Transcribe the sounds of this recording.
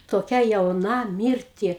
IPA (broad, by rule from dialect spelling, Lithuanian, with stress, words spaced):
toːˈkʲɛ jɛʊˈnɐ ˈmʲiːrʲtʲɪ